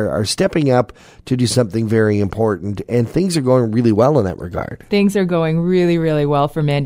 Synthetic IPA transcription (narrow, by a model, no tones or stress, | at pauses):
ə̰˞stɛpɪ̃ŋʌp̚ | tʰɨdɨsʌ̃mθɪ̃ŋvɛɹiɨ̃mpʰɔɹʔn̩tɨ̃nθɪ̃ŋzə˞ɡoʊɪ̃ŋɹɪlˠiwɛlˠə̃nðɨ̰ʔɹɨ̰ɡɑ̰ɹd̥θɪ̃ŋzə˞ɡoʊɪ̃ŋɹɪlˠiɹɪlˠiwɛlˠfə˞mɛ̃n